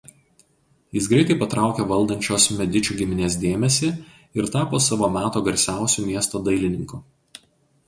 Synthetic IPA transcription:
jɪsɡɾɐɪt̪ɐɪpɐt̪ɾɑˑʊkʲɛʋɐlˠd̪ɐnʲt͡ʃʲoːsmʲɛd̪ʲɪt͡ʃʲuːɡʲɪmʲɪnʲeːs̬d̪ʲeːmʲɛsʲɪ | ɪɾt̪ɑːpoːsɑʋoːmʲæːt̪oːɡɐɾʲsʲæˑʊsʲuˑmʲiɛst̪oːd̪ɐɪlʲɪnʲɪŋku

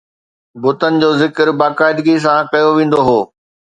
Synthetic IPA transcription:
bʊt̪ənɪ̆d͡ʑoːzɪkəɾbaːkaːɪd̪ɡis̬ãkɐjoʋẽːn̆d̪oɦoː

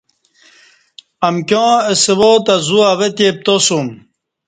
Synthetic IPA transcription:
ɐmkjõːesewot̪azuavet̪ep̚t̪osum

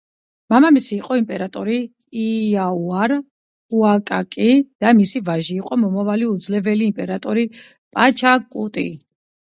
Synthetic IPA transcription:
mamamisiːqʼɔimpʼɛɾat̪ʼɔɾiː | auaɾ | uakʼakʼid̪̥amisivaʒiːqʼɔmɔmavaliud̪zlɛvɛliːmpʼɛɾat̪ʼɔɾi | pʼat͡ʃʰakʼut̪ʼḭ

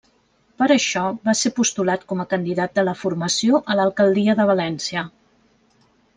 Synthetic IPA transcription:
pəɾəʃɔβasepust̪ulat̪kɔməkənd̪iðat̪̚d̪ələfuɾməsioʔələlˠkəlˠd̪iəðəβ̞əlɛnsiə

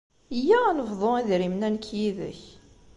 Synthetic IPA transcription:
jːæænəvðˤoiðɾimnænkːjiðə̰ç

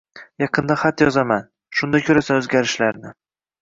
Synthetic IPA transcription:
jɑqʰɨnd̪aχat̪jɒzaman | ʃʊnd̪ajkʲʰɵɾasaɵzɡʲaɾɪʃlaɾnɪ

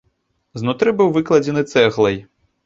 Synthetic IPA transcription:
znut̪ɾɨbɨwvɨklˠɐd͡zʲɛnɨt̪sɛɣlˠɐj

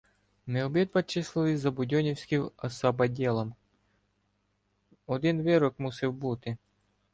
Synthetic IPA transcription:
neɔbid̪bɐt͡ʃɪslˠɪlˠɪzɐbʊdʲɔnʲiwsʲkɪwɐsɐbɐdʲɛlˠɐm | ɔd̪ɪnʋɪɾɔkmusɪwbut̪ɪ

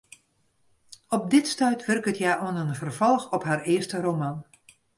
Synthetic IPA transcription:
ɔp̚dɪtstœɥtʰʋɵrkətʰjaːʔɔənənvərv̥ɔlˠxɔpɦaːrɪərstərowmɑn

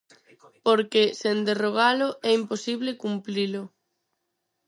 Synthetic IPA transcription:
poɾkesend̪eroɣ̞alʊʔɛimposiβlekumplilʊ

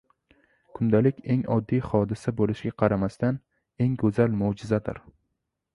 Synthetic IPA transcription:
kʰʊnd̪alɪkʲʰe̞ŋɒd̪ːijχɒd̪ɪsabolɪʃɡʲaqʰɑɾamast̪an | e̞ŋɡɵzalmod͡ʒɪzad̪ɪ̰ɾ

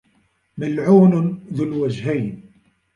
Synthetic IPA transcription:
məlʕunʊnðulwæʒhæjn

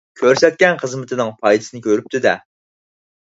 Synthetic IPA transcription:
kʲʰøɾsɛt̪̚kʲɛnχəzmɪt̪ʰɨnɨŋpʰɑjd̪ɨsɨnɨkʲʰøɾyp̚t̪ʰɪd̪ɛ

